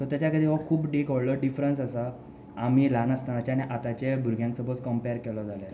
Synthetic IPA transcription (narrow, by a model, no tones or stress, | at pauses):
t̪ɔɾt̪at͡ɕjakəd̪iʋakʰuːpɖekɔɽləɖifɾənsasa | am̤ilanəst̪anat͡ɕañiʔat̪at͡ɕebʱuɾɡʱjãnsəbʱət͡skəmpeɾkɛlɔd͡zale